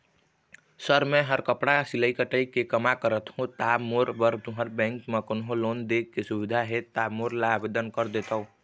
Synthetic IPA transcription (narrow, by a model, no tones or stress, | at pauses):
səɾmẽɦəɾkəpɽasɪləikəʈəikekəmakəɾət̪hũt̪aːmoɾbəɾt̪uɦəɾbɛ̃ːŋkmẽkʊnɦõloːnd̪eːkkesʊʋɪd̪ʱaɦet̪aːmoːɾlaaːbed̪ənkəɾd̪eːt̪aɦũː